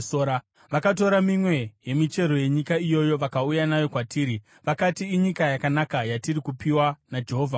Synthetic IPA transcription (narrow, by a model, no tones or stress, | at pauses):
oɾa | ʋakat̬o̞ɾamimwe̞je̞mit͡ʃe̞ɾo̞je̞ɲikaijo̞jo̞ʋakaujanajo̞kwatiːɾi | ʋakatiːɲikajakanakajatiɾikupiwanad͡ʒe̞ɦoːvʱa